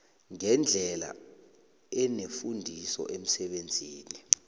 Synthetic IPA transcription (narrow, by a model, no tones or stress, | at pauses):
ŋɛnd͡ɮʱɛla̰ | ɛnefundʱisɔ̰ʔem̩sɛɓend͡zʱiːni